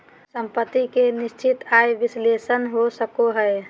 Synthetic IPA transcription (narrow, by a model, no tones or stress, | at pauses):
səmpət̪ːikenɪst͡ʃɪt̪ajʋɪslesənɦosəkoɦəe